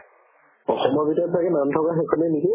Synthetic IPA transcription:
ɔxɔmɔɹbitɔtlakɛnantʰɔkaxekʰɔnɛniki

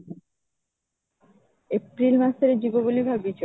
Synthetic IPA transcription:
epɾilmaseɾed͡ʑibobolibʱabbit͡ɕɔ

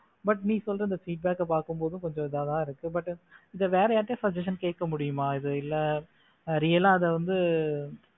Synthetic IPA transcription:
bɐʈniːsɔlːɾɐɪnd̪ɐfiːʈ̚baːkɛpaːɾkɯmpoːðɯ̃kɔɲd͡ʒɔ̃ɪðaːðaːɪɾɯkːɯbɐʈːɪðɐʋeːɾɛjaːʈːesɐd͡ʒɐʂ̬ɐnkeːʈ̚kːɐmʊɽɪjɯmaːɪðɯɪlːɛ | ɾijɐlaːɐðɛʋɐnd̪ɯ

